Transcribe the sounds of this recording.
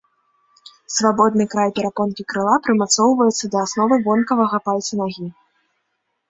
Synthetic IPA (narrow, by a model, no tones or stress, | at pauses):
svabɔd̪nɨkɾajpʲɛɾakɔnkʲikɾɨlˠapɾɨmat̪sɔwvɐjɛt̪sːɐd̪ɐːsnɔvɨvɔnkɐvɐɣɐpalʲt̪sɐnaɣʲi